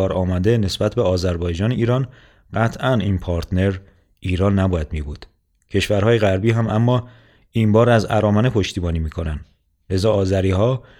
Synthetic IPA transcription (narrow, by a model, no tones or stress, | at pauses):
ɒːɾɒːmæd̪e̞ne̞sbæt̪ʰbeɒːzæɾbɒːjd͡ʒɒːneiːɾɒːn | ɢæt̪ʰʔæniːnpʰɒːɾt̪ʰne̞ɾ | ʔiːɾɒːnːæbɒːjæd̪mibuːd̪̥ | cʰe̞ʃvæɾhɒːjeɣæɾbiːɦæmæmːɒː | iːmbɒːɾæzæ̰ɾɒːmæne̞pʰo̞ʃt̪iːbɒːniːmiːkʰonæn | le̞zɒːzæɾiːɦɒː